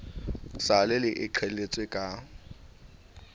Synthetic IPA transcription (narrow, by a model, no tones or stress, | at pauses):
salɪlɪʔɪǃʰelet͡sʼwekʼa